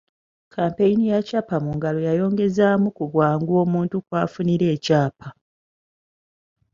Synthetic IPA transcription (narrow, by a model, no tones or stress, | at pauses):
kʰaːmpe̞jinijacaːpamuŋɡalo̞jajo̞ːŋɡe̞zaːmukuβwaːŋɡwo̞ːmuːntukwaːfuniɾe̞ːcaːpʰa